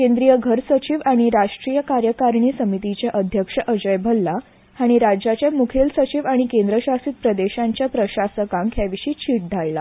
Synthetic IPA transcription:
kend̪ɾijəɡʱəɾsət͡ɕiʋaɽ̃iɾaʂʈɾijəkaɾjəkaɾɳiːsəmit̪it͡ɕjaʔəd̪ʱjəkʂəʔəd͡ʑəjbʱəlːa | aɽ̃iɾad͡ʑat͡ɕjamukʰelsət͡ɕiːʋaɽ̃ikend̪ɾəɕasiːt̪̚pɾəd̪eɕãɲt͡ɕjapɾəɕasəkãŋkʰjaʋiɕiːt͡ɕʰiːʈ̚d̪ʱaɭla

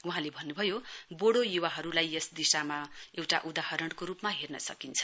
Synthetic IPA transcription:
uɦãlebʱʌnːubʱʌjoboɽojuwaɦʌɾulajesd̪isamaewʈaʔud̪aɦʌɾʌɳɖkoɾupmaɦernʌsʌkint͡sʰʌ̥

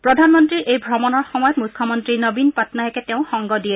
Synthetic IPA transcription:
pɹɔdʱanmɔntɹiɹʔejbʱɹɔmɔnɔɹxɔmɔjɔtmukʰːɔmɔntɹinobinpatnajɛkɛtɛʊ̃xɔŋɡɔdiɛ

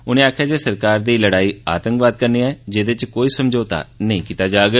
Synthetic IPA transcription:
ʊnẽːaːkʰjaːd͡ʒeːsəɾkaːɾd̪iːləɽaːiːa̰ːt̪ə̃ŋkʋaːd̪̚kəɾneːɛːd͡ʒeːd̪et͡ʃkoːiːsəmd͡ʒoːt̪a̰ːnəĩːkiːt̪aːd͡ʒaːɡ

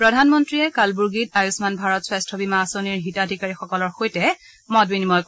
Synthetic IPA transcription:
pɹɔdʱanmɔntɹiɛkalbuɹɡit̚ajusmanbʱaɹɔtswastʰɔbimasoniɹɦitadʱikaɹixɔkɔlɔɹxojtɛ | mɔdbinimɔjk

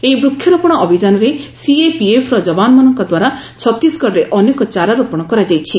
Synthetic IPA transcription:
eibɾukʰːjɔɾɔpɔɽ̃ɔʔɔbʱid͡ʒanɔɾe | siepiepʰɾɔd͡ʒɔbanɔmɔnɔŋkɔd̪waɾa | t͡ʃʰɔt̪ːisɡɔɾɾeʔɔnekɔt͡ʃaɾaɾɔpɔɽ̃ɔkɔɾad͡ʒajt͡ʃʰi

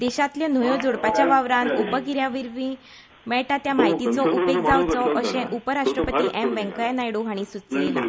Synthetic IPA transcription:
d̪ɛɕat̪ljan̤ujod͡zoɽpat͡ɕjaʋaʋɾanubəɡiɾjaʋiɾʋĩ | mɛɭʈat̪jamaɦit̪it͡sɔʔupek̚d͡zʱawt͡sɔʔəɕɛ̃ʔupəɾaʂʈɾəpət̪iːʔɛmʋɛ̃ŋkəjanajɽuɦaɽ̃isut͡slela̰

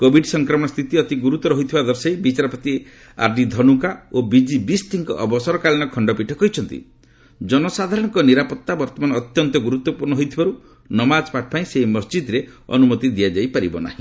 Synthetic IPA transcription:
kobʱiɖsɔŋkɾɔmɔst̪ʰit̪iɔt̪iɡuɾut̪ɔɾɔɦijt̪ʰibad̪ɔɾsejbit͡ʃaɾɔpɔt̪i | a̰ɾɖid̪ʱɔnukaobid͡ʒibist̪ʰiŋkɔ̰ʔɔbɔsɔɾɔkaliñɔkʰɔɳɖɔpiʈʰɔkɔɦit͡ʃʰɔnt̪ḭ | d͡ʒɔnɔsad̪ʱaɾɔɽɔ̃ŋkɔniɾapɔt̪ːabɔɾt̪ɔmanːt̪jɔnt̪ɔɡuɾut̪wɔpuɾnɔɦojt̪ʰibaɾu | nɔmad͡ʒpaʈʰpaĩsemɔsd͡ʒid̪ɾeɔ̰numɔt̪id̪iad͡ʒajpaɾibɔ̰na̰ɦĩ

